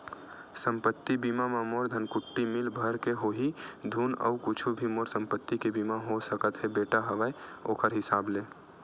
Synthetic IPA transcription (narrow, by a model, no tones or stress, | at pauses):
səmpət̪ːibimamamoɾd̪ʱənkʊʈːimilbʱəɾkeɦoɦid̪ʱunə̰ukut͡ʃʰubʱimoːɾsə̃mpət̪ːikebimaɦosəkət̪ɦebeʈaɦəʋəeoːkəɾɦɪsaːble